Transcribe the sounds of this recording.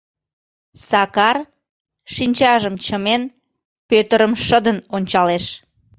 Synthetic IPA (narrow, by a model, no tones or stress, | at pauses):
sɑkɑr | ʃinʲt͡ɕɑʒəmt͡ɕəmen | pøt̪əɾəmʃəd̪ənonʲt͡ɕɑleʃ